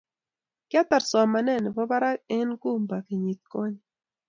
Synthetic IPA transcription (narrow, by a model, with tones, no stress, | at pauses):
kja˦t̪a˨ɾswa˨ma˨nɛ˦˨nɛ˨bɔ˦ba˦ɾa˦e˦nku˦mba˨ki˨ɲi˨t̪̚kɔ˦ɲ